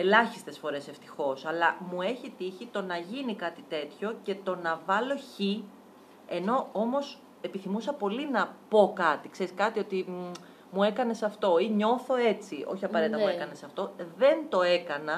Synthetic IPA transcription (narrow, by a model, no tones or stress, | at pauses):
e̞lɐçist̪e̞sfo̞ɾe̞se̞ft̪i̥xo̞sɐlɐmue̞çit̪içit̪o̞nɐʝinikɐt̪it̪e̞t̪ço̞ce̞t̪o̞nɐvɐlo̞çi | e̞no̞o̞mo̞s | e̞piθimusɐpo̞linɐpo̞kɐt̪ikse̞ɾiskɐt̪io̞t̪i | mue̞kɐne̞sɐft̪o̞iɲo̞θo̞e̞t͡siʔo̞̰çiɐpɐɾe̞t̪it̪muekɐnesɐft̪o̞ðe̞nt̪o̞e̞kɐnɐ